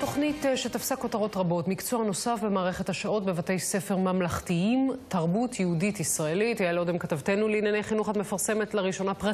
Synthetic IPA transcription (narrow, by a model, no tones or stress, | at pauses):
to̞χnitʃetafsako̞taʁo̞tʁabo̞tmikt͡soano̞safbe̞maːʁeχethaʃao̞t̚bevate̞jse̞fe̞ʁmamlaχtiimtaʁbutʰjɛhuditisʁaelithajalodemkatavte̞nuliːnjanejχinuχadmefaʁse̞metlaʁiʃo̞napʁa